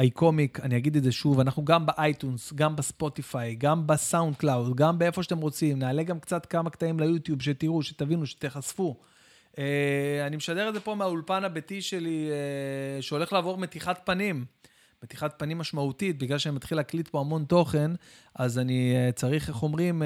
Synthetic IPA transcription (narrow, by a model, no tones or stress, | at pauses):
ajkʰo̞mikaniaɡid̪eze̞ʃuvanaχnuɡambeʔajt̪unsɡambespo̞t̪ifajɡambesawund̪̚klawdɡambee̞fo̞ʃat̪e̞mʁo̞t͡simnaːle̞ɡamkt͡sat̪kamakt̪aimlejut̪jubʃet̪iʁuʃet̪avinuʃe̥t̪eχasfu | ʔeanimeʃad̪e̞ʁdze̞po̞meaulpanabetiʃe̞lieʃeo̞le̞χlaːvo̞ʁme̞t̪iχat̪̚panim | met̪iχat̚panimːaʃmautit̚biɡlalʃeanimat̪χilaklitpo̞amo̞nt̪o̞χe̞nazaniet͡saʁiχχo̞mʁim